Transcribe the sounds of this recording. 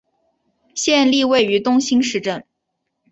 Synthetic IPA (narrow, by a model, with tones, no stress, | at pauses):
ɕjɛ˥˧nli˥˧we˥˩ɪy˧˥t̪ʊ˥ŋɕi˥nʂɻ̩˥˧ʈ͡ʂə˥˩ŋ